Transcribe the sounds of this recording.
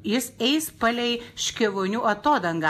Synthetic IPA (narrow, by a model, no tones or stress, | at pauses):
jɪsɛɪspɐlʲɛɪʃʲkʲɪʋoːnʲuːʔɐt̪oːd̪ɐŋɡɑ